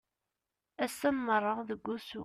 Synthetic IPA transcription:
æsːəmːərˤːəðəɡʷːusṵ

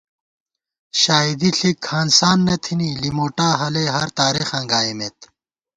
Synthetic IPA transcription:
ɕaːid̪iɬʰikʰaːnsaːnːɐt̪ʰinilimoːʈaːɦɐleɦɐɾt̪aːɾexɐ̃ŋɡaːimet̪

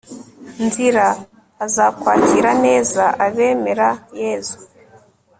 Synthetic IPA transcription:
nziɾaː | zaːkwaːtiɾane̞ːzaʔaβe̞ːme̞ɾajeːzu

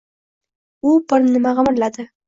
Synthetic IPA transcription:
ʊbʊɾnɪmaʁɑmɪɾlad̪ɪ

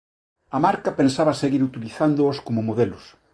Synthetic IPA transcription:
ɐmaɾkapensaβaseɣiɾut̪iliθand̪ooskomomoðelos

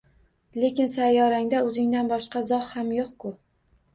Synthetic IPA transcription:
le̞kʲɪnsajːɒɾaŋd̪aɵzɪŋd̪anbɒʃqɑzɒhhamjoqkʰʊ

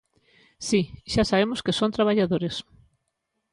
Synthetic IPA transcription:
siʃasaβemʊskesõnt̪ɾaβaʎaðoɾes

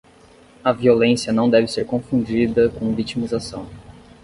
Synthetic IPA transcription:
ɐviolẽsjɐnɐ̃w̃d̪ɛvɪseɾkõfũd͡ʒid̪ɐkõvit͡ʃimizasɐ̰̃w̃

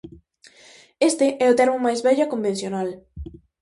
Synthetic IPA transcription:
est̪eʔɛʊt̪eɾmʊmajzβɛʎakombẽn̟θjonal

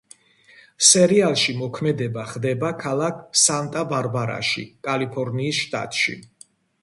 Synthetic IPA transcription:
sɛɾialˠʃimɔkʰmɛd̪ɛbaχd̪ɛbakʰalˠakʰsant̪ʼabaɾbaɾa̰ʃḭkʼalipʰɔɾniːsʃt̪ʼa̰t̪ʼʃḭ

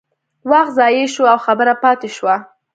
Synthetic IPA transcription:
wɑxzɑjeʃoawxabəɾapɑt̪eʃwa

